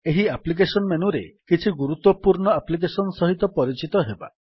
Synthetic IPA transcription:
eɦiaplik̬esɔnmenuɾekit͡ʃʰiɡuɾut̪ːɔpuɾɳɔaplik̬esɔnɔsɔɦit̪ɔpɔɾit͡ʃit̪ɔɦeba̰

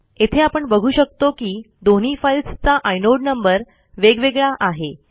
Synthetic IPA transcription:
et̪ʰeapəɳbəɡʱuːɕək̚t̪okiː | d̪oñ̤iːfailst͡saʔajnoɽnəmbəɾ | ʋeɡʋeɡɭaʔaɦe

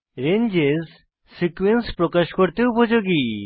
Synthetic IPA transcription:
ɾend͡ʑez | sikuenspɾokaʃkoɾt̪eupod͡ʑoɡi

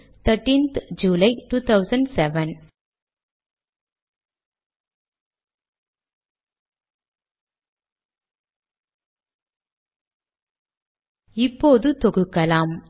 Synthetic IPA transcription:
t̪ʰɐɾʈːĩːnt̪d͡ʒuːlɐɪʈuːt̪ʰɐʊsɐɳɖsɛʋɐn | ɪpːoːðɯt̪ɔɣɯkːɐlaːm

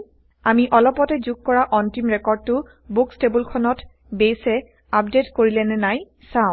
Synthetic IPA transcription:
amiʔɔlɔpɔtɛzuɡ̚kːɔɹaʔɔntimɹɛkɔɹd̚tʊ | bukstebulkʰɔnɔt | bejsɛ | ap̚detkoɹilɛnɛnaj | sãʊ̃

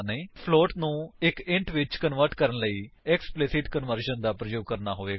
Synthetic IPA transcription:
nəiːpʰloːʈnũːɪkɪ̃ɳʈʋɪt͡ʃkənʋəɾʈkəɾənləiːɛksplɪsɪʈkənʋəɾʃənd̪aːpɾəd͡ʒuːkəɾnaːɦoːʋeː

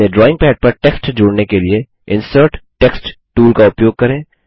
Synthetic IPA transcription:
eɖɾɔːɪ̃ŋɡpɛːɖ̚pɐɾʈeːksʈd͡ʒoːɽnekelie | ɪ̃nsəɾʈʈɛksʈʈuːlkaʊpjoːɡ̚kɐɾẽː

